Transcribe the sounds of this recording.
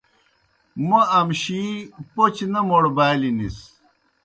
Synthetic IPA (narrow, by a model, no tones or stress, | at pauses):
mɐɐmɕipot͡ɕnɐmoɽbaːlinis